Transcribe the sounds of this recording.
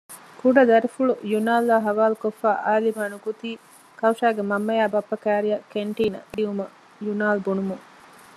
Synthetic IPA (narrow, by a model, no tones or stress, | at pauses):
kuɖɐd̪ɐɾifuɭujunaːlːaːɦɐʋaːlukofːaːʔaːlimaːnukut̪iː | kɐwʃaːɡemɐmːɐjaːbɐpːɐkæːɾijɐkeɳʈiːnɐ̰d̪iumɐ | junaːlbunumuŋ